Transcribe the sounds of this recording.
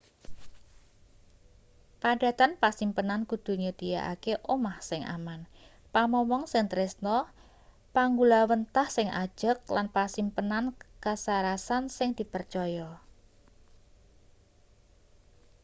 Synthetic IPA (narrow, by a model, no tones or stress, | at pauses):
paɖ̥a̤t̪anpasimpənankud̪̥ṳɲut̪ija̰ʔa̰keʔomahsɪŋʔa̰man | pamɔmɔŋsɪŋt̪ɾɪsnɔ | paŋɡulawənt̪ahsɪŋʔa̰d̥ʒ̥ək̚lanpasimpənankasaɾasansɪŋd̪̥i̤pərt͡ʃɔjɔ